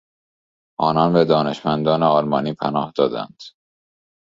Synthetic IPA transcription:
ʔɒːnɒnbed̪ɒːne̞ʃmænd̪ɒːneɒːlmɒːniːpʰænɒːhd̪̥ɒːd̪æ̰nd̪̥

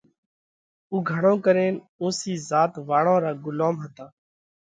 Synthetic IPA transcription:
uːɡʱəɳõːkəɾeːn | ũːsiːzaːt̪ʋaːɳõːɾaːɡʊloːmɦət̪ãː

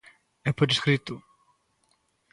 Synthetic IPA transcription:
epoɾiskɾit̪ʊ

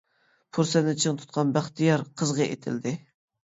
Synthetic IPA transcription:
pʰuɾsɛnɪt͡ʃʰəŋt̪ʰu̥t̪̚qʰɑnbæχt̪ʰijɑɾqʰəzʁəḛt̪ʰɪ̰ld̪ɪ

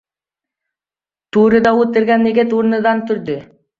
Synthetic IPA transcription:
t̪uːɾɯd̪ɑut̪eɾɡænːeɡet̪uɾnɯd̪ɑnt̪ʰyɾd̪ʏ

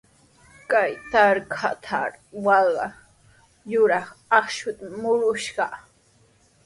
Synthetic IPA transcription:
kajt̪aɾkʰa̰t̪ʰa̰ɾwɑɢɑ | jʊɾɑχɑχʃʊt̪amʊɾʊʃɢɑ

